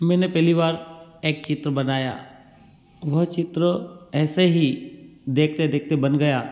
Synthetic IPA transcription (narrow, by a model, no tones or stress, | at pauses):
mɛ̃ːnepɛɦliʋaːɾeːk̚t͡ʃɪt̪ɾəbɐnaːja̰ː | ʋɐɦt͡ʃɪt̪ɾəɛːseɦid̪eːkʰt̪ed̪eːk̚ʰt̪ebɐnɡɐjaː